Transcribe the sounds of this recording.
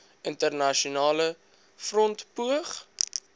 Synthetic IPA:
əntərnɐʃiunɑːlə | frɔntpuəχ

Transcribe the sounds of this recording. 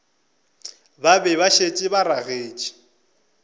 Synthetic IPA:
babɛβaʃet͡ʃʼɪbaɾaɣeːt͡ʃʼi̥

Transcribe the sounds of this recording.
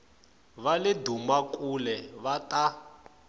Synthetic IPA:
βalɪdumakʼulɛβatʼa

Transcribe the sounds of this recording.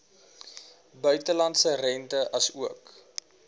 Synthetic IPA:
bœɥtəlɐntsərɛntəʔɐsuək

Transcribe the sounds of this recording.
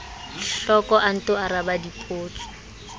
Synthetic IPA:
ɬɔkʼɔʔan̩tʊaɾabadipʼoːt͡sʰʼɔ̥

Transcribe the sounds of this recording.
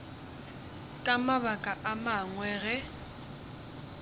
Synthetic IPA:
kʼamaβakʼaʔamaŋwɛɣɛ

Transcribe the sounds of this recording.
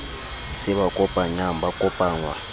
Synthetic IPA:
sɪβakʼɔpʼaɲam̩bakʼɔpʼaːŋwa̰

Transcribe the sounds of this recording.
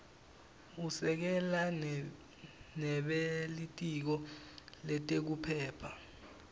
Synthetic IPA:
usɛk̬ɛla | nɛɓelitʼik̬ɔlɛtʼek̬upʰɛːpʰa

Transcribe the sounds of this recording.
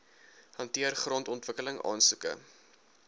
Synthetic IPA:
hɐntiərχrɔntɔntvəkələŋʔɑ̰ːnsukə̰

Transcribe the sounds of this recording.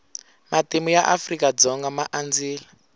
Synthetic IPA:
matimujaʔafrikad͡zɔŋɡamaʔand͡ziːla

